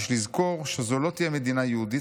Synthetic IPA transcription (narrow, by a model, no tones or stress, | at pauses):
ʃlizko̞ʁʃezolo̞t̪ijeme̞d̪inajeud̪i